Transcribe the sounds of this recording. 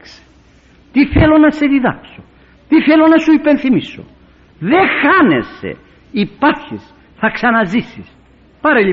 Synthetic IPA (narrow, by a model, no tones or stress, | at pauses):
kse̥ | t̪iθelo̞nɐse̞ðiðɐa̰kso | t̪iθelo̞nɐsuipe̞nθimiso̰ | ðe̞xɐne̞̰se̞̰ | ipɐɾçis | θɐksɐnɐzisis | pɐɾeli